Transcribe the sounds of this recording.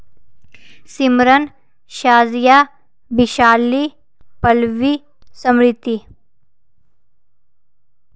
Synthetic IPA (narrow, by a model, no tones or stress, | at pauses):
simɾən | ʃaːzjaː | biʃaːli | pɐlʋi | səmɾɪt̪ːi